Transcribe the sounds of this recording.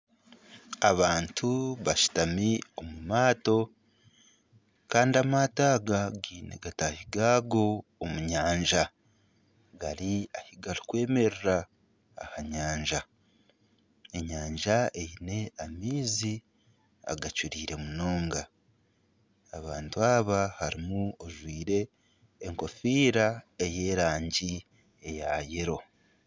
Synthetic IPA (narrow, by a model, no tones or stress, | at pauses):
aβaːntʰuβaʃi̥tamio̞mumaːto̞ | kaːndiamataːɡaɡiːnḛɡatahiɡaːɡo̞ːmuɲaːɲʒa | ɡaɾiahiɡaɾikwe̞ːme̞ɾeɾa̰ː | haɲaːɲʒa | eɲaːɲʒaejine̞amiːzi | a̰ɡacuɾiːɾe̞muno̞ːŋɡa | aβaːntuaːβahaɾimuoʒwiːɾe̞ː | ŋko̞fiːɾaeje̞ːɾaːɲɟi | e̞jajeɾo̞